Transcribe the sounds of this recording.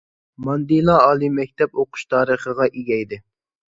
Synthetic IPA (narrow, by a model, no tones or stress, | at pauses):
mɑnd̪ilˠɑɑːlˠimɛk̚ʲt̪ʰɛpoqʰʊ̥ʃt̪ʰɑːɾəχəʁɑʔiɡʲɛjd̪ɪ